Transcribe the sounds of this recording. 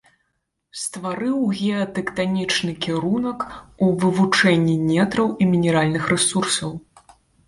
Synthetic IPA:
st̪vaɾɨwɣʲɛɐt̪ɛkt̪anʲit͡ʂnɨkʲiɾunɐkuvɨvut͡ʂɛnʲːinʲɛt̪ɾɐwimʲinʲɛɾalʲnɨxɾɛsursɐw

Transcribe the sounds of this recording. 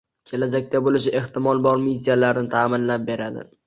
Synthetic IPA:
kʲʰe̞lad͡ʒak̚ʲt̪abolɪʃɪʔe̞ht̪ɪmɒlˠbɒɾmis̬ʲːijalaɾnɪt̪ʰaːmɪnlap̚be̞ɾad̪ɪ̰

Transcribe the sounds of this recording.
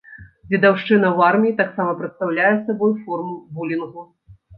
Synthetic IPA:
vʲid̪awʂt͡ʂɨnɐwarmʲiit̪aksamɐpɾɐt̪st̪awlʲajɛsabɔjfɔrmubulʲinɣu

